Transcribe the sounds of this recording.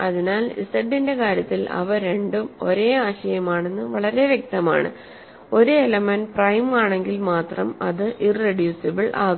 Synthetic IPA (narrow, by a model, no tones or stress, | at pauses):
ɐðinaːlḭsɐɖːinde̞kaːɾjɐt̪ːilɐ̰ʋɐɾe̞ɳɖumo̞ɾe̞ːaːɕɐjɐmaːɳe̞nːɨʋɐɭɐɾe̞ʋjek̚t̪ɐma̰ːɳɨ̰ | o̞ɾuelɐmɐnprɐjmaːɳe̞ŋɡilmaːt̪rɐmɐ̰ðɨʔirːeɖjuːsɐbɨɭʔaː